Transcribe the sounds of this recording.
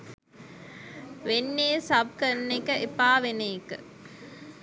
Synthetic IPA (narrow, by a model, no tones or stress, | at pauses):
ʋenːeːsɐb̚kənːekəʔepaːʋenekə̰